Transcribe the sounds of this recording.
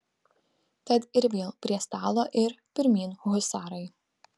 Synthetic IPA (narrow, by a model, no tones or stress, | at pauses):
t̪ʲɐt̪ɪɾʋʲeːlˠpʲɾʲiɛst̪ɑːlˠoːʔɪɾpʲɪɾʲmʲiːnhʊɣʊsɑːɾɐɪ